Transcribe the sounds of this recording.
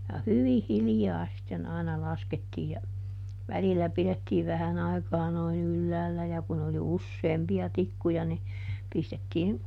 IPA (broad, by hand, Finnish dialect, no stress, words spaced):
jɑ hyʋih̆ hiljɑː sitːen ɑinɑ lɑsketːiː jɑ ʋælilæ piletːiːʋ ʋæhæn ɑikɑː noin ylːæːlːæ jɑ kun oli usːeːmpiɑ tikːujɑ ni pistetːiːn